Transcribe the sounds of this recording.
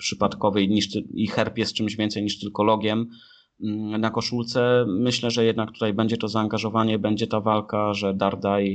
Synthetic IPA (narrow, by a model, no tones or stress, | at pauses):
pʂɘpat̪kɔvɛɲiʂt̪ixɛɾpjɛst̪̚t͡ʂɘmʑvʲɛnt̪sɛjɲiʂt̪ɘlkɔlɔɡʲjɛm | nakɔʂult̪sɛmɘɕlɛʐɛjɛd̪nak̚t̪u̥t̪ajbɛɲd͡ʑɛt̪ɔzaːŋɡaʐɔvaɲɛbɛɲd͡ʑɛt̪avalkaʐɛd̪aɾd̪aj